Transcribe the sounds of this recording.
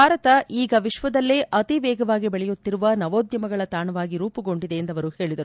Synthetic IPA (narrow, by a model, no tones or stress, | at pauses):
aːɾɐt̪ɐiːɡɐʋiʃʋɐd̪ɐlːeʔɐt̪iʋɛːɡɐʋaːɡibɛɭɛjut̪ːiɾuʋɐnɐʋoːd̪jɐmɐɡɐɭɐt̪aːɳɐʋaːɡiɾuːpuɡo̞ɳɖid̪e̞ːnd̪ɐʋɐɾuhe̞ːɭid̪ɐɾu